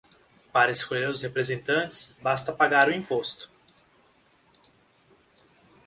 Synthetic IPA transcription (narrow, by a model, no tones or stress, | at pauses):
paɾɐeskoʎeɾʊshepɾezẽnt̪ɐ̃t͡ʃɪ̥sbast̪ɐpaɡaɾʊĩpost̪ʊ̥